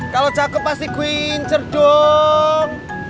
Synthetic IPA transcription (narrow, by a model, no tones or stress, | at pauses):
kalo̥t͡ʃakʊp̚ːast̪ikuiɲt͡ʃərd̥ɔ | ŋ